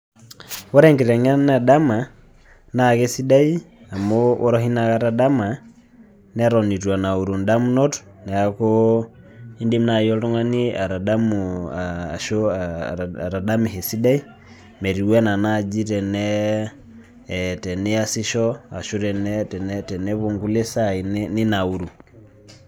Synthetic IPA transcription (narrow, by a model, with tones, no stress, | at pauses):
ɔ˦ɾɛ˦ŋɡɛ˨ɾɛ˨ŋa˦na˨da˦ma˨ | na˦˨kɛ˦si˦da˦i˦ | a˨mo˦o˦ɾɔ˦hi˦na˨ka˦ɾa˦da˦ma˨ | nɛ˦ɾɔ˨ni˨twa˨na˨u˨ɾu˨nda˦mu˦nɔ˦t | nɛ˨a˨ko˦ | i˦ndi˦mna˨jɔ˦tɔ˦ŋa˦ni˦a˨ɾa˨da˦mː˨ | ʃo˦˨ | ɾa˨da˦mɛ˨hɛ˨si˦da˦i˦ | mɛ˨ɾi˨wɛ˦na˨na˦˨d͡ʒi˦tɛ˨nɛ˦˨ | tɛ˨nɛ˦a˦si˦ʃɔ˦a̰˨ʃo˦ɾɛ˨nɛ˦tɛ˨nɛtɛ˨nɛ˦βo˨ŋɡu˦lɛ˦sa˦i˨nni˦na˨u˨ɾu˨